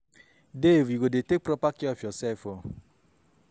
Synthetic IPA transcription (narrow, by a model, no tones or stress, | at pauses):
deviɡodetek̚pɾɔpakiɔfjɔsɛfo